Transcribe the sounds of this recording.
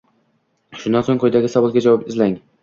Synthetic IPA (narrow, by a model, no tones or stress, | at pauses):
ʃʊnd̪ansoŋqʰojd̪aɡʲɪsavɒlˠɡʲad͡ʒavɒpɪzlaŋ